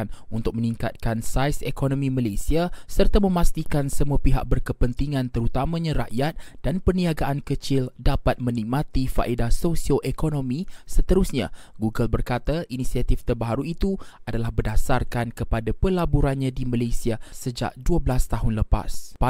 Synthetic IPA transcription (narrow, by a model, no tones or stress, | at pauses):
nunt̪ʊk̚mə̃niŋkat̪̚kansajsekonõmĩmalasiasərt̪amə̃mãst̪ikansəmuapiɦa̰ʔ̚bərkəpənt̪iŋãnt̪əɾut̪amãɲãɾa̰ʔjat̪̚d̥anpərniaɡaʔankət͡ʃɪldapat̪̚mə̃nik̚mãt̪ifa̰ʔedahsosioʔekonõmĩsət̪əɾusɲã̰ | ɡuɡəlbərkat̪aʔinisiat̪ift̪ərbaɦaɾuit̪uadalahbədasarkankəpadapəlabuɾanɲãdimalasiasəd͡ʒa̰ʔ̚duəblast̪aɦʊnləpa̰spa